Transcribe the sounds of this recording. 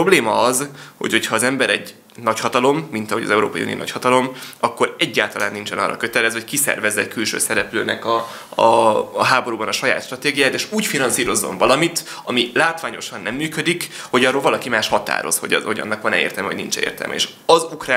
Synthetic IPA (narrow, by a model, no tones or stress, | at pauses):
obleːmɒɒzho̞̰cho̞chɒːzɛmbɛɾɛɟ | nɒchɒt̪ɒlo̞mːint̪ɒɦo̞ɟɒ̰zɛuɾo̰ːpɒjṵnio̰nɒ̰chɒt̪ɒlo̞mɒkːo̞ɾɛɟːaːlt̪ɒlaːnːint͡ʃɛnɒ̰rʔɒ̰køt̪ɛlɛzho̞ckisɛ̰rvɛzːɛckylʃø̰ːsɛɾɛpløːnɛkɒ | ɒɦaːbo̞ɾubɒnɒʃɒja̰ːt̪ʃt̪rɒt̪eːɡijaːjt̪eːʃuːcfinɒnsiːɾo̞zːo̞̰ɱvɒlɒmit̪ | ɒmilaːt̪ʋaːɲo̞ʃɒnːɛmːyːkød̪ikho̞ɟɒroːlvɒlɒkimaːʃhɒt̪a̰ːɾo̞̰sho̞̰ɟhoɟɒ̰nːɒkʋɒnɛḛːrt̪ɛlmɛoɟnint͡ʃɛ̰ḛːrt̪ɛ̰lmʔɛ̰ḛːʃ | ɒzukra